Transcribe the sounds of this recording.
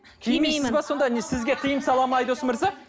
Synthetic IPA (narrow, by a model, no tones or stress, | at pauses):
kʲʰejmesɪzbɑso̞nd̪ɑnesɪzɡʲe̞qʰəjəmsɑlˠɑmɑjd̪osəmɪɾzɑ